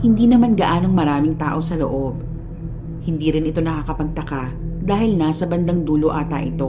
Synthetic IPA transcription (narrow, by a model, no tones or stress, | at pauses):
hɪnd̪iːnɐmanɡɐʔaːnoŋmɐɾaːmɪŋt̪aːʔo̞sɐlo̞̰ʔo̞b̚ | hɪnd̪iːɾɪnɪt̪o̞nɐkakɐpɐɡ̚t̪ɐkad̪aːhɪlnasɐbɐnd̪ɐŋd̪uːloʔaːt̪a̰ʔɪ̰t̪o̞